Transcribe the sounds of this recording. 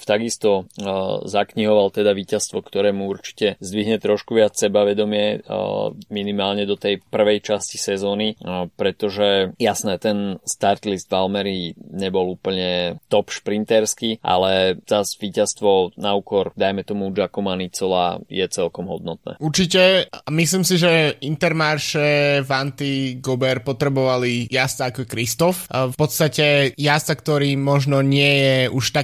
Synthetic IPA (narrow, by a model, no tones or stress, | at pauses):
t̪aɡist̪ɔ | zakɲiɦɔʋalt̪ɛd̪aʋiːcast̪ʋɔkt̪ɔɾɛːmuuɾt͡ʃi̥cɛzd̪ʋiɦɲɛt̪ɾɔʃkuʋɪat͡ssɛbaʋɛd̪ɔmɪɛ | minimaːlɲɛd̪ɔt̪ɛjpr̩ʋɛjt͡ʃasci̥sɛzɔːnipɾɛt̪ɔʒɛjasnɛt̪ɛnst̪aɾt̪lisd̪valmɛɾiːɲɛbɔluːpl̩ɲɛt̪ɔpʃpɾint̪ɛɾskiːʔa̰lɛz̥azʋiːcast̪ʋɔnaukɔɾd̪ajmɛt̪ɔmud͡ʒakɔmanit͡sɔla̰jɛt͡sɛlkɔmɦɔ̰d̪nɔt̪̚nɛ̰ːuɾt͡ʃicɛmisliːmsiʒɛint̪ɛɾmaːɾʃɛvant̪iɡɔbɛɾpɔt̪ɾɛbɔʋalijast͡saːkɔɛkɾist̪ɔffpɔt̪st̪acɛjast͡sakt̪ɔɾiːmɔʒnɔɲɪɛjɛuʃt̪a